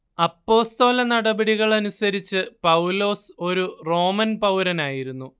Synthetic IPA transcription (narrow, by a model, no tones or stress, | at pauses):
ɐpːo̞ːst̪o̞ːlɐnɐɽɐbɐɽiɣɐɭɐnusɐɾit͡ɕːɨpɐwlo̞ːso̞ɾuro̞ːmɐnpɐwɾɐnaːjiɾunːu